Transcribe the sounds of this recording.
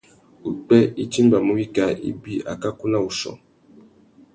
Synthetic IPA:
u˨k͡pɛ˦i˦ti˦m˦ba˨mu˦wi˦ka˦ḭ˦bi˦a̰˨ka˦ku˦na˦u˨sɔ̰˨

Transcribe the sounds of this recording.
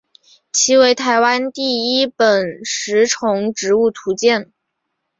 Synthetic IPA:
t͡ɕʰi˧˥we˧˥ɪt̪ʰa˧˥ɪwa˥nt̪i˥˩i˥pə˨˩nʂɻ̩˧˥ʈ͡ʂʰʊ˧˥ŋʈ͡ʂɻ̩˧˥u˥˩t̪ʰu˧˥t͡ɕjɛ˥˩n

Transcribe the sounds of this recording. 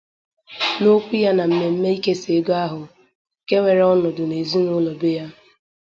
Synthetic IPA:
no˦k͡pi˦ja˦na˨m̩˨me˨m̩˦me˦i˦ke˦se˨˦dʊ˦a˦ɦʊ˨ | ke˦ŋʷe˨ɾɔ˦nɔ˨dʊ˨ne˨zi˦nʊ˦lɔ˨be˦ja˦

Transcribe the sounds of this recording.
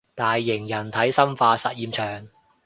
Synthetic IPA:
t̪aː˨jːɪ˨˩ŋjɐ˨˩nt̪ʰɐ˨˥jsɐ˥mfaː˧sɐ˨t̚jiː˧mt͡ʃʰœː˨˩ŋ

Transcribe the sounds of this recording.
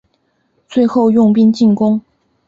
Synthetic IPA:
t͡swe˥˧ɪxo˥˧ʊjʊ˥˧ŋp̬i˥˧nt͡ɕi˥˩nkʊ˥ŋ

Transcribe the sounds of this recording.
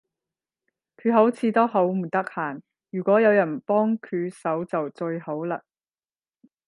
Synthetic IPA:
kʰyː˨˧ɦo˨˥wt͡sʰiː˨˧t̪o˥wɦo˨˥wm̩˨˩t̪ɐ˥k̚haː˨˩n | jyː˨˩kʷɔː˨˥jɐ˨˧wjɐ˨˩npɔː˥ŋkʰyː˨˧sɐ˨˥wt͡sɐ˨wt͡sɵ˧ɥho˨˥wlaː˧

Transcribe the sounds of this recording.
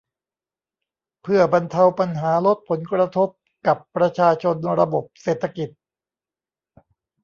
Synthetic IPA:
pʰɯ˥˩ɐba˧nt̪ʰa˧wpa˧nɦaː˩˦lo˦˥t̪̚pʰo˩˦nkɾa˧t̪ʰo˦˥p̚ | ka˨˩pːɾa˧t͡ɕʰaː˧t͡ɕʰo˧nɾa˧bo˨˩p̚seː˨˩t̪ʰːa˧ki˨˩t̪̚

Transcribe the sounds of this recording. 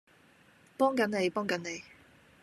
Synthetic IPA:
pɔː˥ŋkɐ˨˥nne˨˧jpɔː˥ŋkɐ˨˥nne˨˧j

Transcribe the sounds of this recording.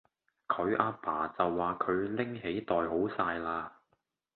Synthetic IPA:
kʰɵ˨˧ɥʔaː˧pʰaː˨˩t͡sɐ˨wːaː˨kʰɵ˨˧ɥlɪ˥ŋɦe˨˥jt̪ɔː˨jɦo˨˥wsaː˧jlaː˧

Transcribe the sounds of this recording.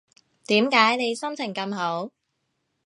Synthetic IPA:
t̪iː˨˥mkaː˨˥jne˨˧jsɐ˥mt͡sʰɪ˨˩ŋkɐ˧mɦo˨˥w

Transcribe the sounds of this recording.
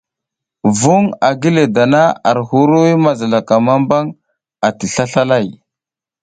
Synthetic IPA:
vu˦ŋa˨ɡi˦le˨da˨na˦a˨ɾhu˦ɾu˦wi˦ma˦˨za˨la˨ka˨ma˦mba˦ŋ | a˨ti˨ɬa˦ɬa˦la˦˨j

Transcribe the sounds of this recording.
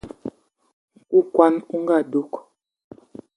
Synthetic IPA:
ŋ˨ku˦kwa˦nu˦ŋ̩˦ɡa˦˨do˦k

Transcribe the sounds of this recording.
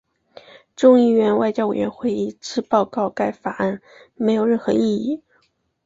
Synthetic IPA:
ʈ͡ʂʊ˥˧ŋi˥˩ɥɛ˧˥nwa˥˧ɪt͡ɕjɑ˥e˨˩ɪɥɛ˧˥nxwe˥˧ɪi˥˩ʈ͡ʂɻ̩˥pɑ˥˧ʊkɑ˥˧ʊka˥˩ɪfa˨˩a˥˩nme˧˥ɪjo˨˩ʊɻə˥˩nxɤ˧˥i˥˧i˥˩

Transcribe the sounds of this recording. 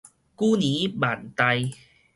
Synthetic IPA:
kuː˥niː˨˦maː˨˩nt̪a˧j

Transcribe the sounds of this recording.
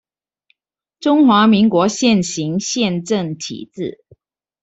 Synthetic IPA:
ʈ͡ʂʊ˥ŋxwa˧˥mi˧˥ŋkwɔ˧˥ɕjɛ˥˩nɕi˨˧˥ŋɕjɛ˥˧˨nʈ͡ʂə˥˩ŋt̪ʰḭ˨˩t͡sɻ̩˥˩

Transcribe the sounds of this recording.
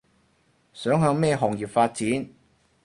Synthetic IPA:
sœː˨˥ŋɦœː˧ŋmɛː˥˧ɦɔː˨˩ŋjiː˨˩pfaː˧t̚t͡siː˨˥n

